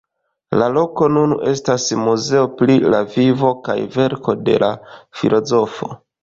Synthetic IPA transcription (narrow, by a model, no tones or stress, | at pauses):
lalo̞ko̞nune̞stasmuze̞oplilavivo̞ka̰jve̞ɾko̞de̞̰lafilo̞zo̞fo̞̰